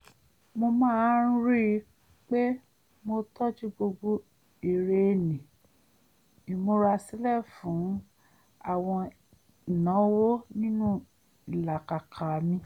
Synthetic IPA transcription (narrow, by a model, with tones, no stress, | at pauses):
mo˧mãː˦˨˦ɾ̃ɾi˦˧˦ | k͡pe˦ | mo˧tʰɔ˦d͡ʒi˦ɡ͡bo˧ɡ͡bo˧˦ | e˨ɾe˧˨nĩ˨ | i˨mo˧ɾa˧si˨˦lɛ˦˨fũ˨˦ | a˦˨w̃ɔ̃˧ | i˨nã˨˦wo˦nĩ˦nũ˦ | i˨la˨ka˨kʰa˨mĩ˧